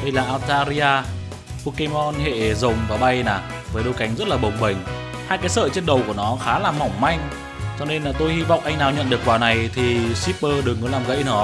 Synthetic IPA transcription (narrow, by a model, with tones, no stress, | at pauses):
ɗə˧jlaː˨˩ʔaː˧wt̪aː˧zi˧aː˧ | po˧ke˧mɔ˧nhḛ˧˨zə˨˩wŋ͡mvaː˨˩ɓa˧jnaː˨˩ | vəː˨˦jɗə˧wka˨˦jŋ̟zə˦˥t̚laː˨˩ɓə˨˩wŋ͡mɓə˨˩ŋ̟ | haː˧jkaː˨˦jsə̰ː˧˨t͡ɕe˧nɗə˨˩wku˧˩ənɔ˨˦xaː˨˦laː˨˩mːɔ˨˧˩wŋ͡mma˧jŋ̟ | t͡ɕɔ˧ne˧nː˨˩t̪o˧jhi˧vɔ̰˧˨wŋ͡mʔa˧jŋ̟naː˨˩wɲə̰˧˨nɗɨ˨˩kːwaː˨˩na˨˩jt̪ʰi˨˩si˦˥p̚ːəː˧ɗɨ˨˩əŋːə˨˦laː˨˩mɣə̰˧˥˦jnəː˨˦